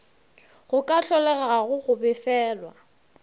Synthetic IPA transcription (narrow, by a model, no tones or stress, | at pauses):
ɣʊkʼaɬɔlɛɣaɣaɣʊɣʊbɪfɛːlwa